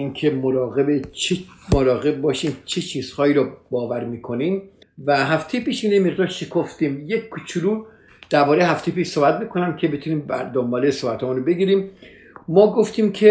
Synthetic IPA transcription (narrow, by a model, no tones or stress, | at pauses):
inkʰe̞moɾɒːɣe̞bet͡ʃʰemoɾɒːɣe̞b̚bɒːʃiːmt͡ʃʰet͡ʃʰiːz̥hɒːiːɾɒbɒːvæɾmiːkʰo̞niːmvæɦæft̪ʰejepiːʃmiːnejmeʁd̪ɒːɾʃʰekʰoft̪iːmjekkʰːut͡ʃʰuɾuː | d̪̥æɾbɒːɾeɦæft̪ejepiːʃsobæt̪̚miːkʰonæmcʰe̞bet̪ʰuniːmbæ̰ɾd̪ombɒːlesobæt̪hɒːmunobe̞ɡiːɾiːm | mɒːɡoft̪iːmkʰe